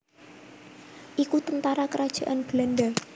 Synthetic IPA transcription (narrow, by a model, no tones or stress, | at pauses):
ʔikut̪ənt̪aɾakəɾad̥ʒ̥a̤ʔanb̥landa